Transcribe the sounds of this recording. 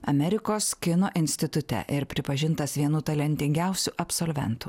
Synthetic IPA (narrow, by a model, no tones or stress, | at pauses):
ɐmʲɛɾʲɪkoːskʲɪnoːʔɪnʲsʲt̪ʲɪt̪ʊt̪ʲɛ̰ʔɪɾpʲɾʲɪpɐʒʲɪnt̪ɐsʋʲiɛnuːt̪ɐlʲɛnʲt̪ʲɪŋʲɡʲɛˑʊsʲuʔɐpsoːlʲʋʲɛ̰nt̪u